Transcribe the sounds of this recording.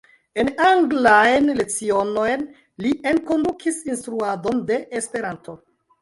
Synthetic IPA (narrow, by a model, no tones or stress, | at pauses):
e̞naŋɡlajnle̞t͡sio̞no̞jn | liʔenko̞ndukʰisinstɾuado̞nde̞ʔespe̞ɾanto̞